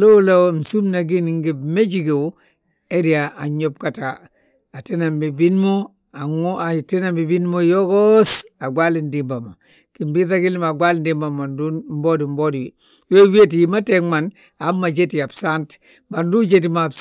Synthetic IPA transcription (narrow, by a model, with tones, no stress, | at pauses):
lo˦lawm̩˨su˦mna˨ɡi˦nŋɡibme˦d͡ʒiɡe˨w | e˦di˨aa˨ɲob̚kata | a˨tina˨mbi˨binmo | a˨ŋati˦nambi˨binmojo˦ɡosa˨ɡwa˦lindimba˨ma˨ | kimbi˦taɡi˦lma˨ɡwa˦lindimba˨ma˨ndunmbo˦di˨mbo˦di | jo˦wi˦e˦ti˨jimateŋman | a˦mːa˨d͡ʒe˦ti˨a˨bsant | bandu˦d͡ʒetima